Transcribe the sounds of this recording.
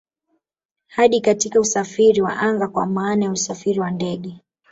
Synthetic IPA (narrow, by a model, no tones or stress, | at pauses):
haɗikatikausafiɾiwa̰ʔaŋɡakwa̰maːnajausafiɾiwandɛɠɛ